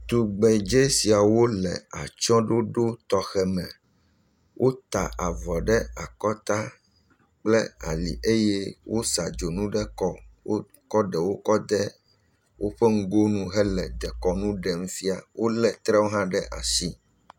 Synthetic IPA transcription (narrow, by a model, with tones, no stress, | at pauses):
t̪u˨ɡ͡bɛ˨d͡ʒe˦si˨a˨wo˦lɛ̰˨a̰˨t͡ʃɔ̃˦ɖo˦ɖo˦t̪ɔ˦xɛ˨mɛ̃˨ | wʔo˦t̪a˨ʔa˨vɔ˨ɖɛ˦a˨kɔ˦t̪a˦ | k͡plɛ˦a̰˨lḭ˨ʔe˦jɛ˦wʔo˦sa˨d͡ʒo˨nũ˦ɖɛ˦kɔ˦wo˦ | kɔ˦ɖɛ˨wo˦kɔ˦d̪ɛ˦ | wʔo˦ɸɛ˦ŋ̩˦ɡo˦nũ˦ɦɛ˦lɛ˨d̪ɛ˨kɔ˦nũ˦ɖɛ˨m˦fi˦a̰˨wʔo˦lɛ˦˨t̪ɾɛ˦wo˦ɦã˦ɖɛ˦ʔa˨si˦